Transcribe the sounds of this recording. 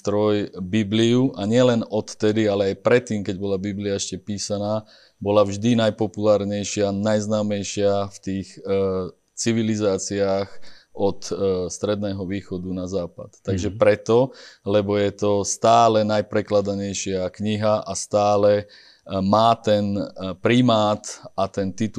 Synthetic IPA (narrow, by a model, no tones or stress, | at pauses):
t̪ɾɔjbibliuʔaɲɪɛlɛnɔt̪ːɛd̪ialɛajpɾɛt̪ːiːmkɛɟbɔlabibliaɛʃcɛpiːsanaː | bɔlavʒd̪inajpɔpulaːɾɲɛjʃɪanajznaːmɛjʃɪaft̪iːx | t͡siʋilizaːt͡siaːxʔɔt̪st̪ɾɛd̪nɛːɦɔʋiːxɔd̪unazaːpa̰t̪ːaɡʒɛpɾɛt̪ɔlɛbɔjɛt̪ɔst̪aːlɛnajpɾɛklad̪aɲɛjʃɪakɲiɦaʔast̪aːlɛ | maːt̪ɛnpɾimaːt̪at̪ɛnt̪it̪